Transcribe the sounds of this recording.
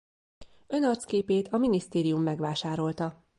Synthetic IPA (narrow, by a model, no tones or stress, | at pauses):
ø̞nɒrt̪skeːpeːt̪ɒminist̪eːɾijumːɛɡʋaːʃaːɾo̞lt̪ɒ